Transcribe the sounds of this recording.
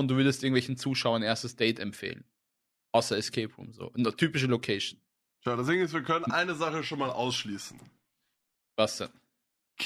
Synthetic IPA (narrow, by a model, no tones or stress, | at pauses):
ʊnt̚d̥uːvʏɐdəst̚ʔɪɐɡŋ̩tvɛlçn̩t͡suːʃaʊɐnʔeːɐstəsd̥ɛɪtɛmpfḛːlən | ʔaʊsɐɛskʰɛːpʁṵmzo̰ːʔnətʰyːpɪʃ̬əlokʰɛɪʃn | ʃaʊdas̬eːɡŋɪsviːɐkʰœnənʔaɪnəzaχəʃoːnmaːlʔa̰ʊsʃliːsn̩ | vasd̥ɛn | kʰ